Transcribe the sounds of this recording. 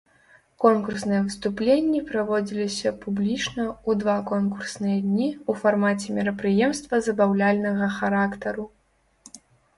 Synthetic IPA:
kɔnkursnɨjɛvɨst̪uplʲenʲːipɾavɔd͡zʲilʲisʲɐpublʲit͡ʂnɐud̪vakɔnkursnɨjɐd̪ʲnʲiufarmat͡sʲɛmʲiɾɐpɾɨjɛmst̪vɐzɐbawlʲalʲnɐɣɐxaɾakt̪ɐɾu

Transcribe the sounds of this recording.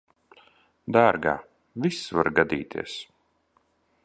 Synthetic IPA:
d̪aːɾɡa̰ː | visvaɾɡad̪ḭːt̪ʰḭɛs

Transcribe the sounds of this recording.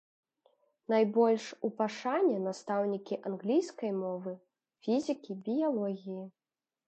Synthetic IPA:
najbɔlʲʂupaʂanʲːɛnast̪awnʲikʲiʔanɣlʲijskɐjmɔvɨ | fʲizʲikʲibʲijalˠɔɣʲiji

